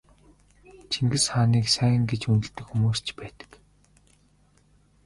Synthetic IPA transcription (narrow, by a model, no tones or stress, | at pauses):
t͡ɕʰiŋɡɘ̆sχaːniːksæ̆ːŋɡet͡ɕunɘ̆ɬt̪ɘ̆kxumuːst͡ɕpæːt̪ə̥̆k